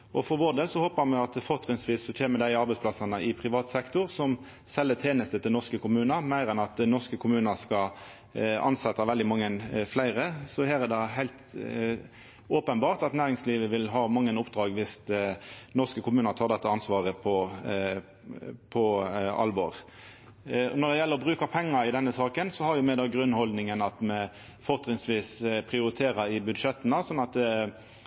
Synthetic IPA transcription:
ʔɔfɔɾʋoːd̪eːlsɔhoːpəmɛɑt̪fɔʁt̪ɾɪŋsʋiːsːɔteːməd̪æɪɑɾbɛɪsplɑsɑnəɪpʰʁɪʋɑːt̪sɛkt̪ʊɾsɔm | sɛlːət̪ʰeːnəst̪ət̪ɪlnɔskəkʰʊmʉːnəɾmæɪɾɛnɑt̪̚d̪nɔʁskəkʰʊmʉːnəskɑ | ɑ̰nsɛt̪ːɑʋɛld̪ɪmɑŋːənflæɪɾəsɔhæːɾɛd̪ɛɦæɪlt̪ | oːpənbɑːʁt̪ɑt̪næːɾɪŋsliːʋəʋɪlɦɑːmɑŋːənʊpd̪ɾɑːɡʋɪs | nɔʁskəkʰʊmʉːnət̪ʰɑːʁd̪ɛt̪ːəɑnsʋɑːʁəpʰɔ | pʰɔɑ̰lʋoːʁ | ɔ̰nɔʁd̪ɛjɛlːəʁɔbʁʉːkɑpʰɛŋːəɾɪd̪ɛnːəsɑːkənsɔhɑɾjʊmɛd̪ɑːɡʁʉnːhɔld̪nɪŋənɑt̪mɛ | fɔʁt̪ʁɪŋsʋiːspʰʁɪʊɾɪt̪ʰeːɾɑɪbʉd̪ʂɛt̪ːənɑsɔnːɑt̪̚ɛ

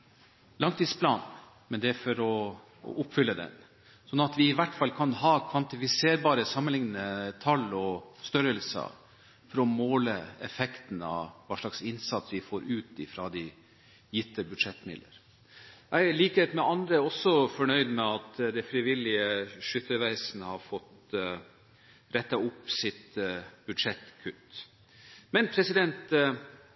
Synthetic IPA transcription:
lɑŋt̪ʰiːd̪spʰlɑːn | mɛnd̪ɛfɔɾɔ̰ | ʔʊpːfʏlːəd̪ɛ̰n | sɔnːɑt̪ʋɪːʋæʈfɑlːkʰɑnɦɑːkʰʋɑnt̪ɪfɪseːɾbɑːɾəsɑmːənɪŋnət̪ʰɑlɔst̪œɾəlsə̰ | fɔɾɔmoːləɛ̰fɛkt̪n̩ɑ̰ʋɑːʂɭɑksɪnsɑt̪sʋɪfoːɾʔʉːt̪ɪfɾɑd̪ɪ | jɪt̪ːəbʉd̪ʂɛt̪ːmɪ̰d̪ə̰ɾ | jæɪæɭiːkəeːt̪mɛɑnd̪ɾəɔsːɔfɔɳœʏd̪mɛɑt̪d̪ɛfɾɪʋɪlɪəʂʏt̪ːəʋæɪsnəhɑɾfɔt̪ | ɾɛt̪ːɑʊpːsɪt̪b̥ʉd̪ʂɛt̪kʰʉt̪ | mɛnpʰɾɛsɪd̪ɛnt̪

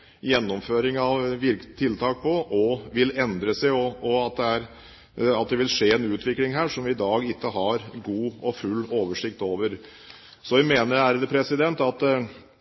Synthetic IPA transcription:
jɛnːɔmføːɾɪŋɑʋʋɪɾkt̪ʰɪlt̪ʰɑːk̚pʰɔʔɔʋɪlɛnd̪ɾəsæɪɔɔɑt̪̚d̪ɛæɾ | ɑt̪̚d̪ɛʋɪlʂeːɛnʉːt̪ʰʋɪklɪŋɦæːʂɔmʋɪɪd̪ɑːɡɪt̪ːəɦɑɾɡuːɔfʉlːoːʋəʂɪk̚t̪oːʋəɾ | sɔʋæmeːnəæːɾəd̪əpʰɾɛsɪd̪ɛnt̪ɑt̪

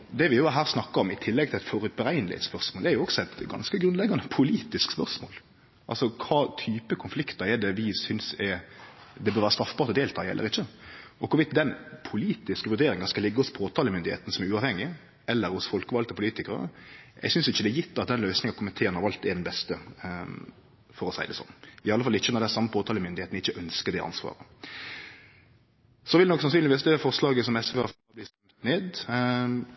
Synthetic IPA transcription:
d̪ɛʋɪjʊɦæːʁsnɑkːəɾɔmɪt̪ʰɪlːɛɡt̪ʰɪlɛt̪fɔɾʉt̪̚bəɾæɪnlɪhḛːt̪spœʁsmoːlɛɾjʊɔɡsɔɛt̪ɡɑ̰nskəɡʁʉnlɛɡːɑnəpʰʊliːt̪ɪskspœʁsmo̰ːl | ʔɑ̰lsɔkʰʋɑːt̪ʰyːpəkʰʊnflɪkt̪ɑɛd̪ɛʋɪsʏnsɛd̪ɛbøːɾʋæːəst̪ɾɑfːbɑːʁt̪ɔd̪eːlt̪ʰɑːɛ̰lʔə̰ɾɪçːəʔɔkʰʊɾʋɪt̪d̪ɛnpʰʊliːt̪ɪskəʋʉɾd̪eːɾɪŋɑskɑlɪɡːəʊspʰɔoːt̪ʰɑːləmʏnd̪ɪhḛːt̪n̩sɔmɛɾʉːɑːʋhɛŋːɪ | ɛlːəɾhʊsfɔlkəʋɑlt̪əpʰʊliːt̪ɪkəɾə̰ʔɛ̰ɡsʏnsɪçːəd̪ɛjɪt̪ːɑt̪̚d̪ɛnløːsnɪŋɑkʰʊmɛnt̪ʰeːɾənhɑɾʋɑlt̪ɛd̪ɛnbɛst̪ə | fɔɾɔsæɪd̪ɛ̰sɔ̰nːɪɑləfɑlːəɪçːənɔd̪æsɑmːəpʰoːt̪ʰɑːləmʏnd̪ɪeːt̪nəɪçːəʔœnskəd̪ɛʔɑ̰nsʋɑ̰ːɾə | sɔʋɪlɛnɔksɑnsyːnɪʋiːsd̪øːəfɔʁslɑːɡəsɔmɛsɛɑf | b̪liːsɛmt̪ned̪

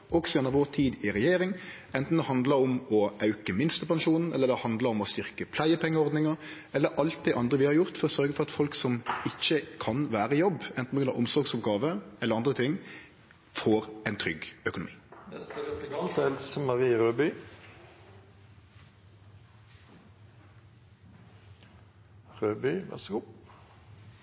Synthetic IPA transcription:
ɔksɔjɛnːɑʋoːʁt̪ʰiːd̪ɪɾɛjeːɾɪŋ | ɛnt̪n̩d̪ɛhɑnd̪ləɾɔmɔʔɑʉkəmɪnst̪əpɑnʃuːnn̩ɛ̰lːəd̪ɛhɑnd̪ləɾɔmɔst̪ʏɾkəpʰlæɪəpʰɛŋːəɔʁd̪nɪŋəɾ | ɛlːəɾʔɑlt̪̚d̪ɛʔɑnd̪ʁəʋɪhɑɾjʊʁt̪fɔɾɔsœɾɡəfɔʁɑt̪fɔlksɔmɪçːəkʰɑnʋæːɾəjɔbːɛnt̪nkːnɑ̰ːʔʊmsɔɾɡsɔpɡɑːʋəɛlːəɾɑnd̪ʁət̪ʰɪŋː | foːɾɛɪnt̪ʰɾʏɡœkʊnʊmiː | t̪ʰɪlsɔmɑʁiːʁøːby | ʁøːbyːʋɛ̰sɡʊp

